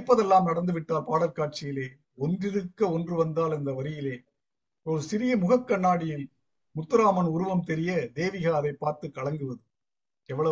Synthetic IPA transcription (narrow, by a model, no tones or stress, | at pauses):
pːɐðɛlːaːmnɐɽɐnd̪ɯʋɪʈːaːlpaːɽɐɾkaːʈ̚t͡ʃɪjɪleː | ɔndrɪɾɯkːɐɔndrɯʋɐnd̪aːlɐnd̪ɐʋɐɾɪjɪleː | ɔɾɯsɪɾɪjɐmʊɣɐkːɐɳːaːɽɪjɪl | mʊt̪ːɯɾaːmɐnʊɾʊʋɐmt̪ɛɾɪjɐd̪eːʋɪɣaːðɐɪpːaːɾt̪ɯkːɐɭɐŋɡɯʋɐðɯ | ɛʋːɐɭɐ